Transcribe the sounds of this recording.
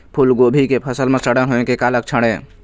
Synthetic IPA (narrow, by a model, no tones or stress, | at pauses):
pʰulɡobʱikepʰəsəlmesəɽənɦoekekalək̚t͡ʃʰəɽ̃e